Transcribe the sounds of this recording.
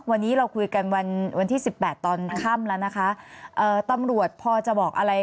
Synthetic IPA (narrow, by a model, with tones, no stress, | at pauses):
wa˧nːiː˦˥ɾa˧wkʰu˧jka˧nwa˧nwa˧nt̪ʰiː˥˩si˨˩pːɛː˨˩t̪ːɔː˧nkʰa˥˩mlɛː˦˥wna˦˥kʰa˦˥ʔɤː˨˩t̪a˧mɾu˨˩ət̪̚pʰɔː˧t͡ɕa˨˩bɔː˨˩k̚ʔa˧ɾa˧j